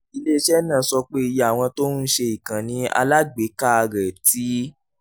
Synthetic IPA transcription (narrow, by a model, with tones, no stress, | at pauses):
i˧le˦ʃɛ˦nãː˦˨sɔ˧k͡pe˦i˧ja˦˨w̃ɔ̃˧to˦nũ˦ʃe˧i˨kã˨nĩ˧˦a̰˧la˦ɡ͡be˨˦ka˦a˧ɡɛ˨ti˨˦